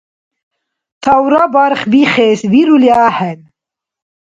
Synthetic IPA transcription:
t̪ʰawɾɑbɑɾχbiχeːzbiɾuljaːhɛn

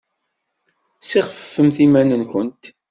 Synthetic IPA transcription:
siʁəfəfːəmθimænənkʷənt̪

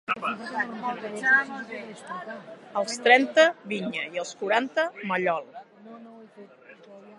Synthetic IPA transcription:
əlˠst̪ɾɛnt̪əβiɲəiəlˠskuɾant̪əməʎɔlˠ

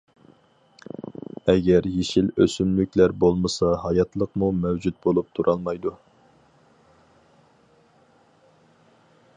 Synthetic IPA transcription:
ɛɡʲɛɾjeʃiløsymlykʲlæɾbolˠməsɑhɑjɑt̪lˠəqmumɛwd͡ʒut̪̚bolˠup̚t̪ʰuɾʔɑlˠmɑjd̪u

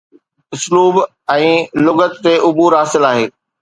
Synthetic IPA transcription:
ʊsluːb | ɛ̃ːlʊɡət̪t̪ːeʔʊbuːɾɦaːsɪlaːɦeː

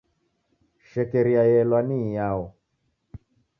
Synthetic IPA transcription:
ʃɛkɛɾiajɛlwanijaɔ

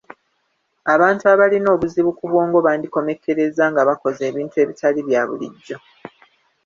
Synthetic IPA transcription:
aβaːntuaβalino̞ːβuziβukuvoːŋɡo̞βaːndiko̞me̞kʰe̞ɾe̞zaŋɡaβako̞ze̞ːβiːntue̞ːβitʰaliβjaβṵlḭɟːo̞

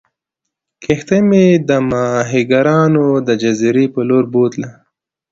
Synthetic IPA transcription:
kʰext̪emed̪əmɑɦiɡaɾɑːnod̪əd͡ʒaziɾepəloːɾbot̪lə

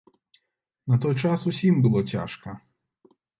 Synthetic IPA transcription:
nɐt̪ɔjt͡ʂasusʲimbɨlˠɔt͡sʲa̰ʂkɐ

